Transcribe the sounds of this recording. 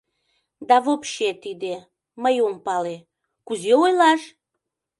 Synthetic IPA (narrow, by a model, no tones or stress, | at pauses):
d̪ɑβopʃet̪id̪e | məjompɑle | kuzeojlɑʃ